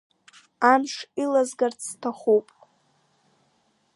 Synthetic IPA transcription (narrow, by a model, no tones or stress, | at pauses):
anʂilazɡart͡sʰːtʰaχupʼ